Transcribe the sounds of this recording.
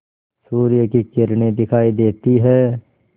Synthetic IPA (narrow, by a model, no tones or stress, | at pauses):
suːɾɪjəkikɪɾned̪ɪkʰaːid̪eːt̪iɦɛː